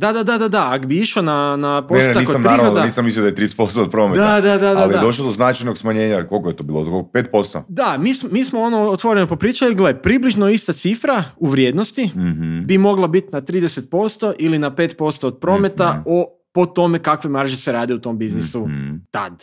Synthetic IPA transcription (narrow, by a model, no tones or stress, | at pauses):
d̪ad̪ad̪ad̪ad̪aakbiiʃonanaposaiːkosampaɾanoaniːsamislijod̪ajt̪ɾid̪ese̥post̪oːd̪̚pɾoːmetd̪ad̪ad̪ad̪alij̪adoʃlˠod̪oznat͡ʃajnoɡsmaɲeːɲakolˠkojet̪obilˠod̪kokopeːt̪̚po̞st̪o̰d̪amismiːsmoonoot̪ʋoɾenopopɾiːt͡ʃaɡlepɾibliʒnoist̪at̪sifɾauʋɾjeːd̪nost̪iɦbimo̞ɡlˠabit̪nat̪ɾiːd̪eset̪̚po̞st̪o̞ʔilinapet̪po̞st̪oːd̪̚pɾo̞me̞t̪ao | pot̪o̞mekakʋimaɾʒiseɾaːd̪iut̪o̞mbiznisut̪a̰d̪̥